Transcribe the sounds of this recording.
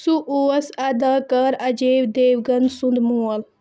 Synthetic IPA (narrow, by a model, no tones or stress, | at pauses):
suʔuːɐsɐd̪ɐkɐɾɐd͡ʒeːwd̪eːwɡɐnd̪sũnd̪muːɐl